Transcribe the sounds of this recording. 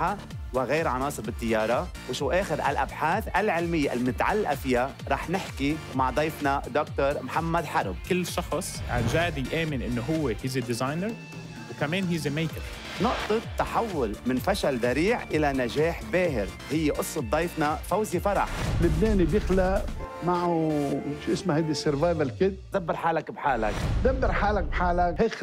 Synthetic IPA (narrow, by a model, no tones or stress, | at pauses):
a | wɪɣeːɾʕɑnɑːsˤɨɾbɪt̪ːɪjːɑːɾˤɑ | wɪʃuːʔeːxɪɾʔa̰lʔa̰bħaːθʔalʕɪlmɪjːaʔɪ̰lmɪt̪ʕa̰lːaʔafɪja | ɾˤɑːħnɪħki | maʕd̪ˤɑjfnad̪ok̚t̪oɾˤmħamːad̪ħɑɾˤb̚kɪlːʃɑxsˤʕa̰nʒaːd̪ijʔeːmɪnʔɪnːoɦʊwːehiːzed̪ɪzajnəɾ | wkameːnɦiːzemejkɪɾ | nʊʔt̪ˤɨt̪ːaħawːʊlmɪnfaʃald̪aɾiːʕʔɪlanaʒaːħbeːɦɪɾ | hɪjːeʔʊsˤːɨt̪̚d̪ˤɑjfnafawzifɑɾˤɑ̰ħlɪbneːnibjɪxlaʔmaʕuʃʔɪsmahajd̪isɪɾvaːðalkɪd̪̚zabːɪɾħaːlakbħaːla̰kzabːɪɾħaːlak̚bħaːlakhɪx